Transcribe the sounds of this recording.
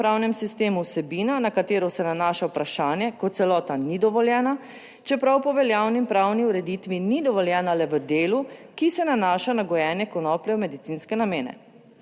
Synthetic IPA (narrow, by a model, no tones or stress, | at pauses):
pɾaːwnɛmsist̪eːmuwsɛbiːnanakat̪eːɾɔsɛnanaːʃawpɾaʃaːnjɛkɔt̪sɛlɔːt̪anid̪ɔʋɔljɛːna | t͡ʃɛpɾawpɔʋɛljaːwnimpɾaːwniuɾɛd̪it̪ʋinid̪ɔʋɔljɛːnalɛʋəd̪eːlukisɛnanaːʃanaɡɔjɛːnjɛkɔnɔːpljɛwmɛd̪it̪siːnskɛnameːnɛ̰